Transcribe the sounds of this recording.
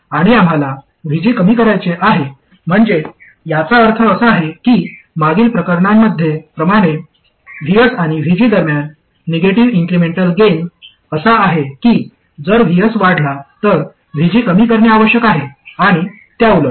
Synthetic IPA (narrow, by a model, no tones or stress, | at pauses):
aɽ̃iam̤ala | ʋʱid͡ʑiːkəmiːkəɾajt͡seʔaɦe | m̤əɳd͡ze | jat͡saəɾt̪ʰəːsəaɦekiː | maɡiːlpɾəkəɾɳamːəd̪ʱjepɾəmaɽ̃e | ʋ̤iəsaɽ̃iʋʱid͡ʑiːd̪əɾmjanː | eɡeʈiʋiŋkɾimeɳʈəlɡen | əsaːɦekiː | d͡zəɾʋ̤ʱijəsʋaɽ̤lat̪əɾ | ʋʱid͡ʑiːkəmiːkəɾɳjaaʋəɕjəkaɦeaɽ̃i | t̪jaulə